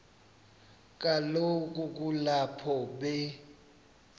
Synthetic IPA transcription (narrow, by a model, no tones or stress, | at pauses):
k̬ʼalok̬ʼuk̬ʼulapʰɔɓɛ